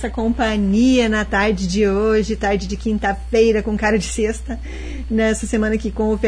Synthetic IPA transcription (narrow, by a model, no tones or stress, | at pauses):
sɐkõmpɐ̃ɲiɐnɐt̪aɾd͡ʒɪd͡ʒɪoʒɪt̪aɾd͡ʒɪd͡ʒɪkĩnt̪ɐfejɾɐkõkaɾɐd͡ʒɪsest̪ɐ | nɛsɐsemɐ̃nɐkɪkõʊfe